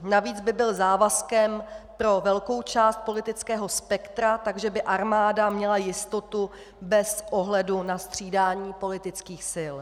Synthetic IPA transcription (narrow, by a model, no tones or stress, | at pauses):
naviːd͡zbɪbɪlzaːvaskɛmpɾo̞vɛlko̞wt͡ʃaːst̪̚po̞lɪt̪ɪt͡skɛːɦo̞spɛkt̪ɾat̪aɡʒɛbɪʔaɾmaːdamɲɛlajɪst̪o̞t̪u | bɛsʔo̞ɦlɛdunast̪r̝̥iːdaːɲiːpo̞lɪt̪ɪt͡skiːxsɪl